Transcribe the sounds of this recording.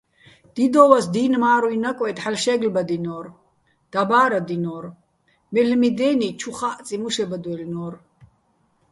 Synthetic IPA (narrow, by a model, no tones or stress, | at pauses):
d̪̥id̪ɔvasd̪inmaːɾuinakʼɔɛt̪ħalʃɛɡlbad̪inɔːr | d̪̥abaːɾad̪inɔːɾ | mɛlmid̪ɛːnit͡ʃʰuχaʔt͡sʼimuʃɛbad̪wɛlnɔːr